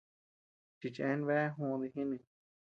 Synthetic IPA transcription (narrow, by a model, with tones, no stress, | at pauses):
t͡ʃi˧˨t͡ʃẽ˦nβe˦ɦũ˧ði˧ɦĩ˦nĩ˧˨